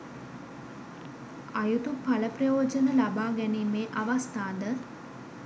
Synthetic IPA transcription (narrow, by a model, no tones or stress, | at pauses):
ajut̪upaləprəjoːd͡ʒənəlabaːɡæniːmeːʔaʋast̪aːnd̪ə